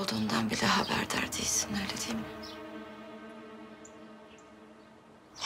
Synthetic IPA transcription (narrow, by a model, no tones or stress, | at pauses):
lˠd̪uːnd̪anbilʲɛɦabæ̰ɾd̪̰ɾd̪ḭjsi̥nøːlʲed̪ijmi | h